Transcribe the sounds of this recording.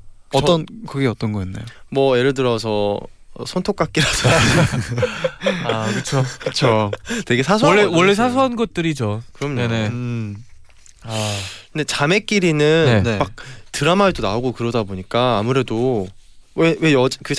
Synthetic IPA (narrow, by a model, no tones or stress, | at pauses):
ʌtt͈ʌnkɯɡeʌt͈ʌnɡʌinːḛjomʌje̞ɾɯɭd̬ɯɾʌs̬ʰʌ | ʌ̰sʰʌntʰok͈ak͈iɾasʰʌ | akɯt͡ɕʰokɯt͡ɕʰotwe̞ɡe̞sʰas̬ʰuːewʌɭːes̬ʰas̬ʰuanɡʌt̚t͈ɯɾid͡ʑokɯɾʌmɲene | akɯndet͡ɕame̞k͈iɾinɯnmak̚tɯɾamaedona̰oɡokɯɾʌdaboɲik͈aːmuɾe̞do | wewe̞ʌd͡ʑkɯ